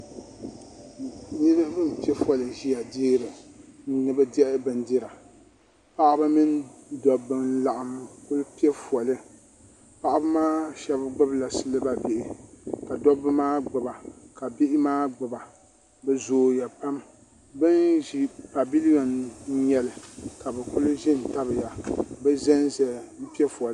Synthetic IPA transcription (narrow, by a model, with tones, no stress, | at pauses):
nɨ˦ba˦bɨ˦m˨pi˦ɛ˦fɔ˨lɨ˨ʒi˦ja˨diː˦ɾɨ˨n̩˦nɨ˦ba˦dɛ˦ʔɪ˦bɨ˨ndɪ˦ɾa˨ | pa˦ʔa˦ba˦mi˦ndɔ˨bːɨ˦n˦la˨ʔɪ˨m˦˨kʊ˦lpi˦ɛ˦fɔ˨lɨ˦ | pa˦ʔa˦ba˦maː˦ʃɛ˦bɡ͡bʊ˦bla˨sɨ˦lɨ˦ba˦bɪ˦ʔɪ˨ka˨dɔ˦bːɨ˦maː˦ɡ͡bʊ˨ba˨ka˨bɪ˦ʔɪ˦maː˦ɡ͡bʊ˨ba˨ | bɛ˦zoː˨ja˨pa˦m | bɨ˦nʒi˨pa˨bi˦li˦ɔ˨n̩˦ɲɛ˨lɨ˨ka˨bɛ˨kʊ˦lʒɪ˦n˨ta˦bɨ˨ja˨bɛ˦zɛ˦nzɛ˨m̩˦pi˦ɛ˦fɔ˨l